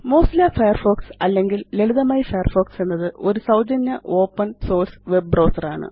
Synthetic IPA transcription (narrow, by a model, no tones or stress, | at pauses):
moːsilaːfɐjɐrfoːksɐlːe̞ŋɡileɭuðɐmaːjifɐjɐrfo̞ːksenːɐðɨʔo̞ɾusɐwd͡ʑɐnjɐʔo̞ːpːɐnso̞ːrsʋe̞b̚brɐːsɐraːɳɨ̰